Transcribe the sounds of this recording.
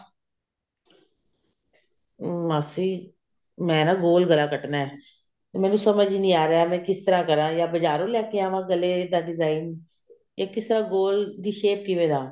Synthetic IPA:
maːsiː | mɛ̃ːnãːɡoːlɡəlaːkəʈnaːɛː | t̪emɛ̃ːnũːsəməd͡ʒnĩːaːɾəaːmɛ̃ːkɪst̪əɾãːkəɾãːjaːbəd͡ʒaːɾõːlɛːkeaːʋãːɡəleːd̪aːɖɪzaːin | jaːkɪst̪əɾãːɡoːld̪iːʃeːp̚kɪʋẽːd̪aː

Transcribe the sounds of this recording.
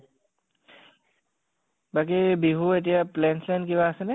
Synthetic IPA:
bak̬ibiɦuet̬ijaplɛnslankiβaːsɛnɛ

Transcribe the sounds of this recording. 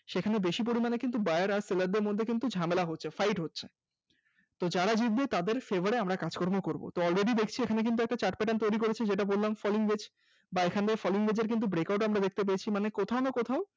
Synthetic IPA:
ʃekʰanebeʃip̬oɾimanekint̪̬ubaeaɾaɾselaɾd̪eɾmod̪ʱːekint̪ud͡ʑʱamelaɦotːɕʰefajʈɦotːɕʰe̥ | t̪od͡ʑaɾad͡ʑit̪bet̪ad̪eɾfebʱaɾeamɾakad͡ʑkɔɾmokoɾbo̰t̪oɔlɾeɖid̪ekʰt͡ɕʰiekʰanek̬int̪uɛk̚ʈat͡ɕaʈ̚pɛʈant̪ojɾikoɾet͡ɕʰed͡ʑeʈabollamfɔliŋwed͡ʑ | baekʰand̪eɾfɔliŋbed͡ʑeɾk̬int̪ubɾekawʈamɾad̪ek̚t̪ep̬eet͡ɕʰimanekot̪ʰaonokot̪ʰao

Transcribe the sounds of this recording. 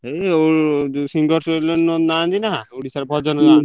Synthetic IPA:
eosiŋɡɔɾselɔnnɔnaːnd̪inaɦãoɽisaɾbʱɔd͡ʒɔnɔnani

